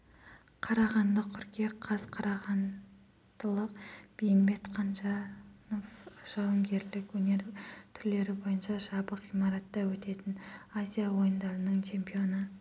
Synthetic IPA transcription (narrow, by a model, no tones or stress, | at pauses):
qʰɑɾɑʁɑnd̪əkʲʰʏɾkʲe̞qʰɑzqʰɑɾɑʁɑn | d̪̥əlˠəqb̥ejmbe̞t̪qʰɑnʒɑno̞fʒ̥ɑwəŋɡʲe̞ɾlɪkwɵne̞ɾt̪ʰʏɾle̞ɾɪbo̞jənʃɑʒɑbəqijmɑɾɑt̪ːɑwɵt̪e̞t̪ɪnazʲijawo̞jənd̪ɑɾənəɴt͡ʃʰe̞mpio̞nə